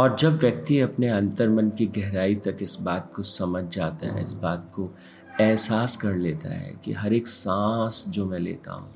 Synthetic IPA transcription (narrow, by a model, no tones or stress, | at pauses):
ɔːɾd͡ʒɐbʋjɐk̚t̪iɐpneɐ̃nt̪əɾmə̃nkiɡɛɦɾaːit̪ɐkɪsbaːt̪̚kosɐməd͡ʒʱd͡ʒaːt̪a̰ɦɛ̰ɪ̰sbaːt̪̚ko | ɛːsaːskɐɾleːt̪a̰ɦɛ̰kḭɦɐɾeːksãːsd͡ʒoːmɛ̃lḛːt̪a̰ɦṵ̃ː